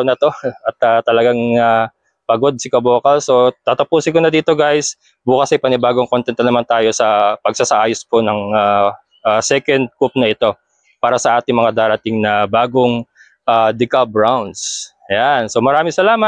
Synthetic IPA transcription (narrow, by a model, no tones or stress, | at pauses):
nɐt̪o̞ʔɐt̪̚at̪ɐlɐɡaŋa | pɐɡo̞d̪̚sɪkɐboːkɐlso̞t̪aːt̪ɐpuːsɪkonɐd̪iːt̪o̞ɡajs | buːkɐsɐjpɐnɪbaːɡoŋkont̪ɛnt̪ɐnɐmant̪aːjo̞sɐpɐɡ̚sasɐʔaːjosponɐŋaː | ʔasɛkɐnd̪̚kup̚nɐɪt̪o̞ | paːɾɐsɐʔaːt̪ɪŋmɐŋad̪aːɾɐt̪ɪŋnɐbaːɡo̞ŋ | ʔaːd̪ɪkɐbɹawnd̪s | janso̞mɐɾaːmɪŋsɐlaːmɐ